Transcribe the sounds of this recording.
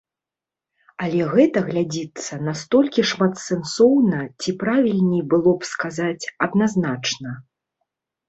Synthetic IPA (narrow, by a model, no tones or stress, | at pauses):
alʲɛɣɛt̪ɐɣlʲad͡zʲit̪sːɐnast̪ɔlʲkʲiʂmat̪sɛnsɔwnɐt͡sʲipɾavʲilʲnʲijbɨlˠɔpskazat͡sʲɐd̪naznat͡ʂnɐ